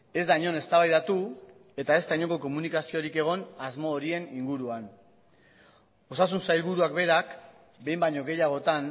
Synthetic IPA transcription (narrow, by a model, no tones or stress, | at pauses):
e̞zd̪ajɲo̞ne̞st̪aβajðat̪ue̞t̪ae̞zt̪ajɲo̞ŋɡo̞ko̞munikasio̞ɾike̞ɣ̞o̞nazmo̞ːɾie̞niŋɡuɾuan | o̞sas̬unsajlβuɾuakbe̞ɾak | be̞jmbaɲo̞ɣe̞jaɣ̞o̞t̪an